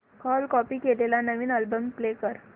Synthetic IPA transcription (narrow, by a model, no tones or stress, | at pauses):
kɔlkɔpiːkelelanəʋiːnəlbəmplekəɾ